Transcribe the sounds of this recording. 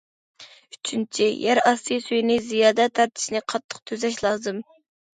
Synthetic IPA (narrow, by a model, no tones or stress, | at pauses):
yt͡ʃʰynt͡ʃʰijʔæɾɑsɨjsyjnɪzijɑːd̪ɛt̪ʰːæɾt̪ʰɪ̥ʃnɪqʰɑt̪ʰːə̥q̚t̪ʰøzɛʃlˠɑːzɨm